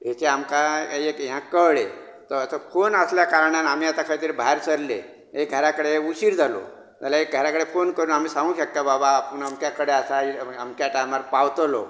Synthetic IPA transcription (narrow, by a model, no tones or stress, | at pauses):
ɦet͡seamkaekiɦãkəɭe | t̪əɾəsəfonəsljakaɾɳanam̤ijat̪akʰaɭet̪iɾibʱaɾsəɾlḛ | ek̚ɡʱəɾakəɽeuɕiɾd͡zʱalo̰ | d͡zalaek̚ɡʱəɾakəɽefonkəɾuːnam̤iːsãŋɡũɕəkjababapəɳamkjakəɽeasaiamkjaʈajmaɾpawt̪lo̰